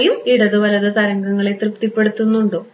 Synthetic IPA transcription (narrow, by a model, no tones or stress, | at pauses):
jumiɽɐðɨʋɐlɐðɐt̪ɐɾɐŋɡɐŋːɐɭet̪rɨpt̪ipːe̞ɽut̪ːunːuɳɖoː